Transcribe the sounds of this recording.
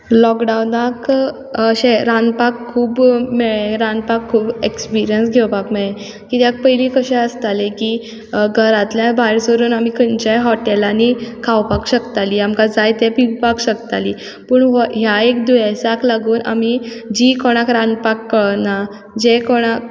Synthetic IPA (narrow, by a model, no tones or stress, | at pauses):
lɔkɖawnakː | ɕɛ̃ɾãnd̪pakʰːuːbmɛɭeɾãnd̪̚pakʰːuːbekspiɾijənsɡʱɛwpakmɛɭe | kit̪jak̚pəjlĩkəɕɛ̃əst̪aleki | ɡʱəɾãt̪ljãbajɾsʋəɾuːnamikʰənt͡ɕaɦɔʈɛlanikʰawpakɕəkt̪aliamkad͡zajt̪ɛpiwpakɕəkt̪ali | pəːɳɦɦjaekd̪ujasaklaɡuːna̰mi | d͡ʑikɔɽ̃akɾãnd̪pakːəɭna | d͡ʑekɔɽ̃ak̚